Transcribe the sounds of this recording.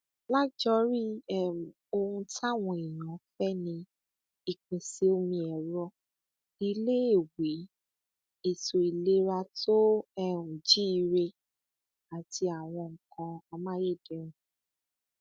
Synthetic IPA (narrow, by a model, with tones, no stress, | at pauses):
la˦d͡ʒɔ˦ɾi˦ɛ˦˨o˧hũ˧tʰa˦˨w̃ɔ̃˧e˨j̃ã˨˦fɛ˦nĩ˧ | i˨k͡pẽ˨si˨˦o˧˦mĩ˧ɛ˨ɾɔ˧˦ | i˧le˦e˦˨we˨˦ | i˨so˨i˨le˨˦ɾa˧tʰo˦ɛ˧ũ˨d͡ʒi˦i˧ɾe˧ | a˨ti˧a˨w̃ɔ̃˧ŋ̩˨kã˧a˧mã˦je˦˨de˨˦ɾ̃ũ˨˦